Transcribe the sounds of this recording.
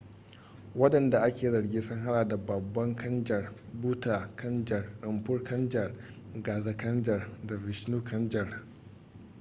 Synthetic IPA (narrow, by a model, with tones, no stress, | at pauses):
wɐ˦ɗɐ˨nda˨ʔa˦kʲeː˨zɐ˨ɽɡʲeː˦sʊ˦ŋɦa˦ɽaː˨da˨bɐ˨bːɐ˦ŋkʰɐ˦nd͡ʒɐ˨rbuː˦taː˨kʰɐ˦nd͡ʒɐ˨rɾɪ˨mɸʊ˦rkɐ˦nd͡ʒɐ˨r | ɡaː˨za˦kɐ˦nd͡ʒɐ˨rda˨vɪ˨ʃnuː˦kʰɐ˦nd͡ʒɐ˨r